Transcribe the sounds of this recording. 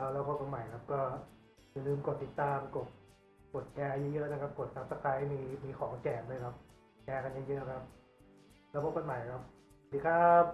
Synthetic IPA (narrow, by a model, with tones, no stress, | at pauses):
lɛː˦˥wkʰɔː˧˩ka˧nma˨˩jkʰa˦˥p̚kɔː˥˩ | ɯ˨˧˩lɯː˧˩mko˨˩t̪ːi˨˩t̪ːaː˧mko˨˩t̪̚ | ko˨˩t̪̚kɛː˧jɯː˧˥jɯ˦˥ʔna˧˩kʰa˦˥p̚ko˨˩t̪̚sa˦˧p̚sa˧˩kʰa˧˥ja˧˦miː˧miː˧kʰɔː˩˦ŋt͡ɕɛː˨˩nɯː˧˩˨kʰa˦˥p̚ | ŋɛː˧kʰa˧nja˧˩ŋjɯ˦˥a˧kʰa˦˥p̚ | ɾa˧bo˨˦p̚ka˧nma˨˩jkʰa˦˥p̚ʰː | t̪i˧˩kʰaː˦˥˩p̚